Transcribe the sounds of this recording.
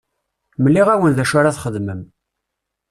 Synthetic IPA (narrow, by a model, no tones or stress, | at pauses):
məlːiʁæwənðæʃaɾaθχəðməm